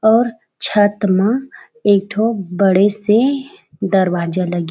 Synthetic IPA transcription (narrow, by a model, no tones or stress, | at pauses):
ɔːɾ | t͡ʃʰət̪mã | eːk̚ʈʰobəɽese | d̪ɐɾwaːd͡ʒalɐɡ